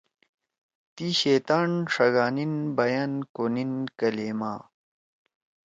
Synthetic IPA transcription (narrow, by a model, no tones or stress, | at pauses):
t̪iɕeːt̪aːnʂɐɡaːninbɐjankoninkɐleːmaː